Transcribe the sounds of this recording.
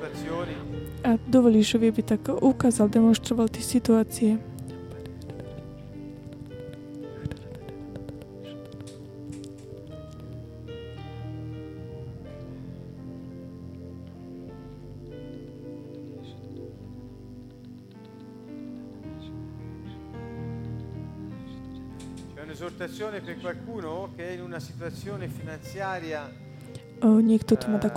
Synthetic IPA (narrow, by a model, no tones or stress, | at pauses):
ad̪ovoliʃovjɛbit̪akaʔukazald̪ɛmonst̪ɾɔvalˠt̪isit̪uat̪sijɛ | t͡ʃɛunezoɾt̪at̪sːjoːnepeɾkwalkuːnokeɛinunasit̪uat̪sːjoːnefinant̪sjaːɾja | əɲikt̪ut̪ːmat̪ak